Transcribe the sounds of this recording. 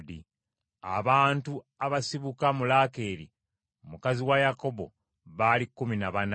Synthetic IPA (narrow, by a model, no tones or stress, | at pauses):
di | a̰βaːntu | aβasiβukamulaːke̞ːɾi | mukaziwajako̞bo̞̰ | βalikːuminaβan